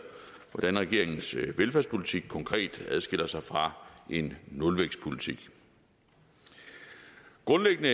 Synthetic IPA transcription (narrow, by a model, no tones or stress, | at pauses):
ʋɒd̥ænʁɛɡ̥e̝ɐ̰e̝ŋn̩sʋelfæɐspʰo̝lit͡sʰiɡ̥̚kʰɒ̽ŋkʰʁɛ̰ːd̥æð̞ˠsɡ̥e̝l̰ɐsɑ̈ɪfʁɑ̈ʔe̝nːɔlʋeɡ̥spʰo̝lit͡sʰiɡ̥ | ɡ̥ʁɔ̽nleɡ̥ənə